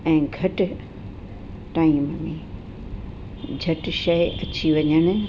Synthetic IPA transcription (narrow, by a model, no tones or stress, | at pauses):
ɛ̃ːɡʱɐʈ̆ | ʈaːimmĩ | d͡ʑʱɐʈʃɐɐt͡ɕʰiʋɐɲəɽ̃̆